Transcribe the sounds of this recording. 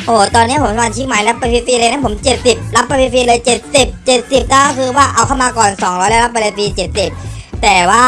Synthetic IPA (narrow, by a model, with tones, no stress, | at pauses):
ʔoː˨˩t̪ɔː˧nːi˦˥ɐpʰo˩˦msa˧maː˧nt͡ɕʰi˦˥k̚maː˦jla˦˥pːa˧pʰi˧fiː˧ləː˧jna˥˩pʰo˩˦mt͡ɕe˨˩t̪̚si˨˩p̚la˦˥pːa˧pʰi˧fiː˧lɤː˧jt͡ɕe˨˩t̪̚si˨˩p̚t͡ɕe˨˩t̪̚si˨˩p̚t̪ɛaː˧˥˩kːkʰɯː˧waː˥˩ʔa˧wkʰa˥˩wmaː˧kɔː˨˩nsɔː˩˦ŋɾɔː˦˥jlɛː˦˥la˥p̚ːa˧le˧fiː˧t͡ɕe˨˩t̪̚si˨˩p̚t̪ɛː˨˩waː˥˩